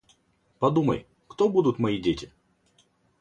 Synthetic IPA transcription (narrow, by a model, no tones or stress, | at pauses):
pɐd̪umə̰j | kt̪obud̪ʊt̪mɐidʲetʲɪ